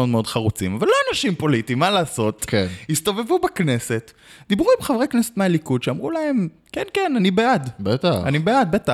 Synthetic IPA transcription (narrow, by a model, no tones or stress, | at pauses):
o̞dmeo̞dχaʁut͡sḭmavalːoanaʃimpo̞litimːalaːso̞t̪kenist̪o̞ve̞vubakne̞se̞t̪ | d̪̥ibʁuimχavʁeknesetmealikudʃeamʁulahe̞m | kenkenanibead̪bet̪aanibead̪̚beta